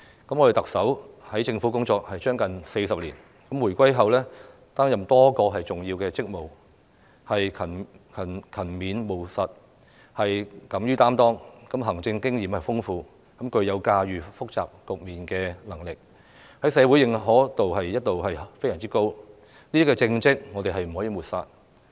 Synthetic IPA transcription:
kɐ˨˥mɔ˧e˨˩t̪ɐ˨k̚sɐ˨˥whɐ˨˥jt͡sɪ˧ŋfu˨˥kʊ˥ŋt͡sɔː˧k̚hɐ˨jt͡ʃœː˥ŋkɐ˨nse˧jsɐ˨p̚liː˨˩n | kɐ˨˥mwu˨˩jkʷɐ˥jɦɐ˨wlɛː˥ | t̪aː˥ŋjɐ˨mt̪ɔː˥kɔː˧ɦɐ˨˩jt͡sʊ˨ŋjiː˧wkɛː˧t͡sɪ˥k̚mo˨w | hɐ˨jkʰɐ˨˩n | kʰɐ˨˩nkʰɐ˨˩nmiː˨˧nmo˨˩wsɐ˨t̚ | hɐ˨jkɐ˨˥mɥyː˥t̪aː˥mt̪ɔː˥ŋkɐ˨˥mɦɐ˨˩ŋt͡sɪ˧ŋkɪ˥ŋjiː˨˩mhɐ˨˩jfʊ˥ŋfuː˧ | kɐ˨˥mkʰɵ˨˧ɥjɐ˨˧wkaː˧ɥyː˨fʊ˥k̚t͡sa̰ː˨p̚kʊ˨k̚miː˨nkɛː˧lɐ˨˩ŋlɪ˨k̚ | hɐ˨˦˥jsɛː˨˧wu˨˥jɪ˨˩ŋɦɔː˨˥t̪o˨wɦɐ˨jjɐ˥t̚t̪ːo˨wɦɐ˨jfe˥jsɐː˨˩ŋt͡siː˥ko˥w | niː˥t̪i˥kːɛː˧t͡sɪ˧ŋt͡sɪ˥k̚ŋɔː˨˧t̪e˨ɦɐ˨jm̩˨˩ɦɔː˨˥jiː˧muː˨t̚saː˧t̚

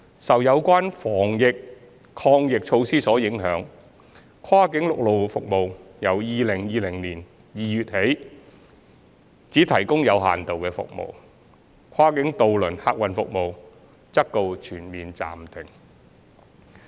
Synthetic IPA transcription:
sɐ˨wjɐ˨˧wkʷaː˥nfɔː˨˩ŋjɪ˨k̚ | kʰɔː˧ŋjɪ˨k̚t͡ʃʰo˧wsiː˥sɔː˨˥jɪ˨˥ŋɦœː˨˥ŋ | kʰaː˥kɪ˨˥ŋlʊ˨k̚lo˨wfʊ˨k̚mo˨wjɐ˨˧wjiː˨˧lɪ˨˩ŋjiː˨˧lɪ˨˩ŋliː˨˩n | jiː˨jyː˨t̚he˨˥j | t͡siː˨˥t̪ʰɐ˨˩jkʊ˥ŋjɐ˨˧wɦa̰ː˨nt̪o˨wkɛː˧fʊ̰˨k̚mo̰˨˩w | kʰwaː˥kɪ˨˥ŋt̪o˨wlɵ˨˩nhaː˧k̚wɐ˨nfʊ˨k̚mo˨w | t͡sɐ˥k̚t̪o˨wt͡ʃʰyː˨˩nmiː˨nt͡sa̰ː˨mt̪ʰɪ˨˩ŋ

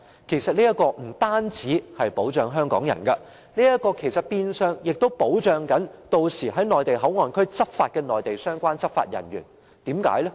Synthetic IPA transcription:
kʰe˨˩jsɐ˨t̚niː˥jɐ˥kɔː˧m̩˨˩t̪aː˥nt͡siː˨˥hɐ˨jpo˨˥wt͡ʃœː˨ŋɦœː˥ŋkɔ̰ː˨˥ŋjɐ̰˨˩nkɐ˧ | niː˥jɐ˥t̚kɔː˧kʰe˨˩jsɐ˨t̚piː˧nsœː˧ŋjɪ˨k̚t̪o˥wpo˨˥wt͡ʃœː˨ŋkɐ˨˥nt̪o˧wsiː˨˩ɦɐ˨˥jnɔː˨jt̪e˨jɦɐ˨˥wŋɔː˨˩nkʰɵ˥ɥt͡sɐ˥p̚faː˧t̚kɛː˧nɔː˨˩jt̪e˨jsœː˥ŋkʷaː˥nt͡sɐ˥p̚fa̰ː˧t̚jɐ˨˩nɥyː˨˩n | t̪iː˨˥mka̰ː˨˥jlɛ˥

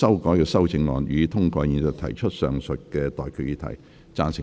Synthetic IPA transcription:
sɐ˥wkɔː˨˥jkɛː˧sɐ˥wt͡sɪ˧ŋlɔ̰ː˨˧njyː˨˥t̪ʰʊ˥ŋkɔː˧ji˨˧nsœ˨t̪ʰɐ̰˨˩jt͡ʃʰɵ˥t̚sœː˨ŋsɵ˨t̚kɛː˧t̪ɔː˨jkʰy˨˧jiː˧˥t̪ʰɐ̰˨˩j | t͡saː˥nsɪ˨

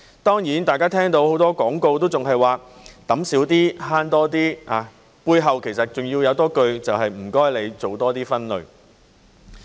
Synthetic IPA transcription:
t̪ɔː˥ŋjiː˨˥nt̪aː˨jkaː˥t̪ʰɛː˥ŋt̪o˧who˨˥wt̪ɔː˥kɔː˨˥ŋko˧wt̪o˥wt͡sʊ˨ŋɦɐ˨jwaː˨t̪ɐ˨˥msiː˨˥wt̪iː˥haː˥nt̪ɔː˥t̪iː˥aː˨˧ | puː˧jɦɐ˨wkʰe˨˩jsɐ˨t̚t͡ʃʊ˨ŋjiː˧wjɐ˨˧wt̪ɔː˥kɵ˧ɥt͡sɐ˨wɦɐ˨jm̩˨˩kɔː˥jle˨˧jt͡so˨wt̪ɔː˥t̪iː˥fɐ˥nlɵ̰˨˧ɥ

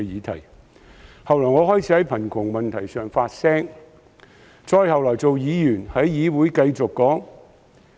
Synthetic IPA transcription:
jiː˨˧t̪ʰɐ̰˨˩j | hɐ˨wlɔː˨˩jŋɔː˨˧hɔː˥jt͡sʰiː˥hɐ˨˥jpʰɐ˨˩nkʰʊ˨˩ŋmɐ˨˩nt̪ʰɐ˨˩jsœː˨˩ŋfaː˧t̚sɛː˥ŋ | t͡sɔː˧jhɐ˨wlɔː˨˩jt͡so˨wjiː˨˧jyː˨˩nhɐ˨˥jːiː˨˧wuː˨˥jkɐ˧jt͡sʊ˨kːɔː˨˥ŋ

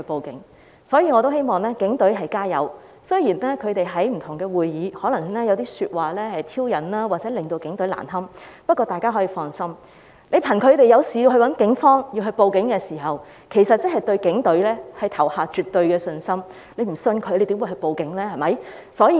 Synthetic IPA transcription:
po˨wkɪ̰˨˥ŋ | sɔː˨˥jiː˧ŋɔː˨˧t̪̬o˥whe˥jmɔː˨ŋlɛː˥kɪ˨˥ŋt̪ɵ˨˥ɥɦɐ˨jkaː˥jɐ̰˨˧w | sɵ˥jiː˨˩nɛː˥kʰɵ˨˧ɥt̪e˨jɦɐ˨˥jm̩˨˩t̪ʰʊ˨˩ŋkɛː˧wuː˨jjiː˨˧hɔː˨˥lɐ˨˩ŋnɛː˥jɐ˨˧wt̪̬iː˥syː˧t̚waː˨˩lɛː˥hɐ˨jt̪ʰiː˥wjɐ˨˩nlaː˥waː˨t̚t͡sɛː˨˦˥lɪ˨ŋt̪o˧wkɪ˨˥ŋt̪ɵ˨˥ɥla̰ː˨˩nɦɐ˥mpɐ˥t̚kʷːɔː˧t̪aː˨jkaː˥ɦɔː˨˥jiː˧fɔː˧nsɐ˥m | le˨˧jpʰɐ˨˩nkʰɵ˨˧ɥt̪e˨jɐ˨˧wsiː˨jiː˧wɦɵ˧wɐ˨˥nkɪ˨˥ŋfɔː˥ŋjiː˧ɦɵ˧ɥpo˨˧wkɪ˨˥ŋkɛː˧siː˨˩ɦɐ˨w | kʰe˨˩jsɐ˨t̚t͡sɐ˥nhɐ˨jt̪ɵ˧ɥkɪ˨˥ŋt̪ɵ˨˥lɛː˥hɐ˨jt̪ʰɐ˨˩whaː˨˧t͡ʃyː˨t̪ːɵ˧ɥkɛː˧sɵ˧nsɐ˥m | le˨˧jm̩˨˩sɵ˧nkʰɵ˨˧ɥjle˨˧jt̪iː˨˥mwu˧hɵ˧ɥpo˨˧wkɪ˨˥ŋlɛː˥hɐ˨˩mɐ˨˥j | sɔː˨˥jiː˧

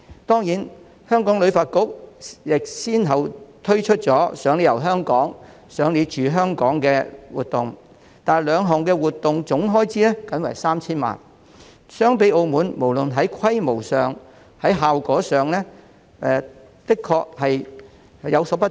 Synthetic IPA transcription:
t̪ɔː˥ŋjiː˨˥n | hœː˥ŋkɔː˨˥ŋlɵ˨˧ɥfaː˧t̚kʊ˥k̚jɪ˨k̚siː˥nɦɐ˨wt̪ʰɵ˥ɥt͡ʃʰɵ˥t̚t͡sɔː˨˥sœː˨˥ŋli˨˧jɐ˨˩wɦœː˥ŋkɔː˨˥ŋ | sœː˨˥ŋli˨˧˥t͡ʃyː˨˧ɦœː˥ŋkɔː˨˥ŋkɛː˧wuː˨t̪ʊ˨ŋ | t̪aː˨lœː˨˧ŋɦɔː˨ŋkɛː˧wuː˨˩t̪ːʊ˨ŋt͡sʊ˨˥ŋɦɔː˥jt͡siː˨˥lɛ˥kɐ˨˥nwa̰ː˨˩jsaː˥mt͡sʰiː˥nma̰ː˨n | sœː˨ŋpe˨˥jo˧wmuː˨˧nmo˨˩wlɵ˨nɦɐ˨˥jkʰɐ˥jmo˨˩wsœː˨ŋ | hɐ˨˥jɦaː˨wkɔː˨˥sœː˨ŋlɛː˥ | ɛ˨ | pɪ˥kʰːɔː˧k̚hɐ˨j | jɐ˨˧wsɔː˨˥pɐ˥

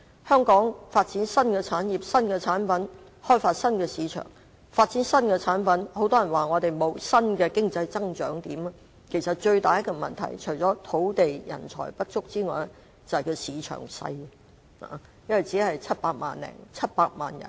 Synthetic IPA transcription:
hœː˥ŋkɔː˨˥ŋfaː˧t̚t͡siː˨˥nsɐ˥nkɛː˧t͡sʰaː˨˥njiː˨p̚sɐ˥nkɛː˧t͡sʰaː˨˥npɐ˨˥n | hɔː˥jfaː˧t̚sɐ˥nkɛː˧siː˨˧˥t͡ʃʰœ̰ː˨˩ŋ | faː˧t̚t͡siː˨˥nsɐ˥nkɛː˧t͡sʰaː˨˥npɐ˨˥nho˨˥wt̪ɔː˥jɐ˨˩nwaː˨˩ŋɔː˨˧t̪e˨˩jmo˨˧wsɐ˥nkɛː˧kɪ˥ŋt͡sɐ˧jt͡sɐ˥ŋt͡ʃœː˨˥ŋt̪iː˨˥mɐ˧ | kʰe˨˩jsɐ˨t̚t͡ʃɵ˧ɥt̪aː˨jɐ˥kːɔ˧mɐ̰˨nt̪ʰɐ̰˨˩jt͡ʃʰɵ˨˩jt͡sɔː˨˥t̪ʰo˨˥wt̪e˨jjɐ̰˨˩nt͡ʃʰɔ̰ː˨˩jpɐ˥t̚t͡sʊ˥k̚t͡siː˥ŋɔ̰ː˨˩jlɛ˥ | t͡sɐ˨hɐ˨jkʰɵ˧wsiː˨˧t͡ʃʰœ̰ː˨˩ŋsɐ̰˧j | ha̰ː˨ | jɐ˥nwɐ˨˩jt͡siː˨˥hɐ˨jt͡sʰɐ˥t̚paː˧k̚ma̰ː˨nlɛ̰ː˨˩ŋt͡sʰɐ˥t̚paː˧k̚ma̰ː˨njɐ̰˨˩n

